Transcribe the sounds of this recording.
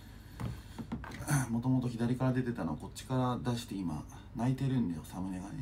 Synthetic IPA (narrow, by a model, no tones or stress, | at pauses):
mo̞t̪o̞mo̞t̪o̞çid̪aɾʲikaɾad̪e̞t̪e̞t̪ano̞̰ko̞t͡ɕi̥kaɾad̪aɕi̥t̪e̞ima̰ | nait̪e̞ɾɯ̟̃nd̪ajo̞samɯ̟ne̞ɡaɾ